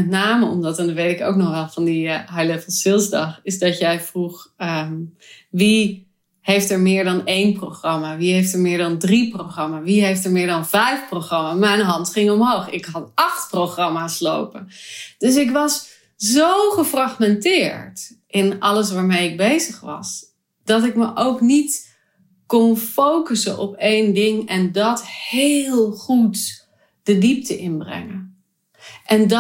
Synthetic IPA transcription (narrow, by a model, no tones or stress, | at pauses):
mɛtnaːməɔ̰mdɑtɛndɔʋejtɪko̰wknɔχʋɛlˠvɑndiɦɛjləfˠsɪlˠsdɑχɪsdɑtjɛjfruχə | ʋi | hejftɛɹmɪːɹdɑnejnprowχrɑmaːʋiejftəɹmɪːɹdɑndriproχrɑmaːʋiɦejftəɹmɪːɹdɑnvɛjfprowχrɑmaːmɛjnɦɑntχɪŋɔmɦowχɪ̰kɦɑtɑχtprowχrɑmaːslo̰wpənd̥ɵs̬ɪkʋɑs | zowχəfraχmɛntɪːɹt | ʔɪnɑ̰ləs̬ʋaːɹmejɪɡ̚bejzəχʋɑ̰s | d̥ɑtɪkməʔowknit | kɔnfowkəsənʔɔpejndɪŋɛndɑthelˠχut | d̥ədip̚təʔɪnbrɛ̰ŋə | ʔɛnd